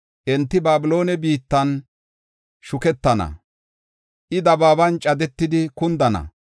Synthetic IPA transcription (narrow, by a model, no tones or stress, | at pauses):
ʔɛnt̪ːɪbaːbɪlo̞ːnɛbiːt̪ːɐn | ʃʊkɛt̪ːɐnɐ̰ | ʔɪd̪ɐbaːbɐnt͡ʃʼɐd̪ɛt̪ːɪd̪ɪkʊnd̪ɐnɐ̰